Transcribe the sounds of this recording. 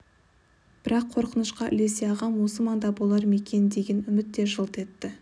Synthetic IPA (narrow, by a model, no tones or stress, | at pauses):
b̥ɪɾɑqʰo̞ɾqənəʃqɑʔʏ̰le̞seɑʁɑmwo̞səmɑnd̪ɑbolˠɑɾme̞kʲʰe̞nd̪e̞ɡʲenʏmɪt̪ːe̞ʒəlˠt̪e̞t̪ːɪ